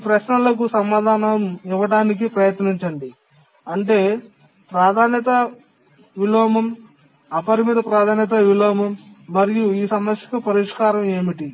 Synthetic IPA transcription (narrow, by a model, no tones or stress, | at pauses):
pɾɐʃnɐlɐkusɐmaːd̪ʱaːnɐmiʋːɐɽaːnik̬ipɾɐjɐt̪niɲt͡ʃɐɳɖi | ɐɳʈe̞ː | pɾaːd̪ʱaːnjɐt̪ɐ | ʋiloːmɐm | ɐpɐɾimiːd̪ɐpɾaːd̪ʱaːnjɐt̪̬ɐʋiloːmɐmːɐɾijuiːsɐmɐsjɐ̥kupɐɾiʂkaːɾɐme̞ːmiʈi